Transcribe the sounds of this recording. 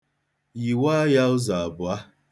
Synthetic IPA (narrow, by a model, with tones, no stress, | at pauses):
ji˨waː˦ja˦ʊ˦za˨a˨bʊ˨a˦